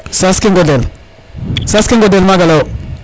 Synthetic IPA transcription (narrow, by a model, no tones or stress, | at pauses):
saskiŋɡodel | saskiŋɡodelmaɡalow